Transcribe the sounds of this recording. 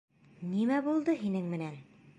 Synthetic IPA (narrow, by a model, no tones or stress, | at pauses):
nimæbulˠd̪ɤɦinɘŋmɘ̆næn